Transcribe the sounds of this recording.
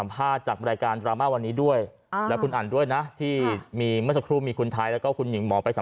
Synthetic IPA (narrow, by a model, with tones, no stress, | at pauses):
mpʰaː˥˩t̪̚t͡ɕaː˨˩k̚ɾaː˧jkaː˧nt̪ɾaː˧maː˥˩wa˧nːiː˦˥du˥˩əj | ɛː˦˥kʰu˧nʔaː˨˩ndu˥˩əjna˦˥t̪ʰiː˥˩miː˧mɯ˥˩sa˧kʰɾuː˥˩miː˧kʰu˧nt̪ʰaː˧jlɛː˦˥wkɔː˥˩kʰu˧nji˨˩˦ŋmɔː˩˦pa˧jsa˩˦